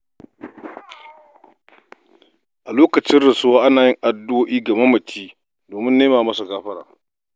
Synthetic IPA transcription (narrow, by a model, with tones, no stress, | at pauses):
ʔa˨loː˦kɐ˨t͡ʃɪ˦nɽɪ˨sʊ˦waː˦ʔa˦naː˨jɪ˦ŋʔa˨dʊ˦ʔoː˦ʔiː˦ɡɐ˨me˦mɐ˨tʰiː˦ | doː˨mɪ˦nːeː˦maː˨mɐ˦sa˨ɡaː˦ɸɐ˦ɽa̰ː˨